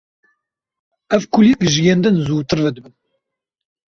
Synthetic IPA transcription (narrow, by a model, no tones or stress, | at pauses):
ævkʰulikʒɨjend̪ɨnzuːt̪ɨɾvɛd̪ɨbɨn